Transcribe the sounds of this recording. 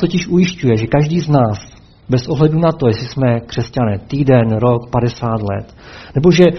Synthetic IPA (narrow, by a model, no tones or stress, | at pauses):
t̪ocɪʃʔujɪʃcujɛʒɛkaʒdiːznaːs | bɛsʔoɦlɛdunat̪o̞jɛsɪsmɛkr̥ɛscanɛːt̪iːdɛnɾo̞kpadɛsaːt̪lɛ̰t̪ | nɛbo̞ʒɛ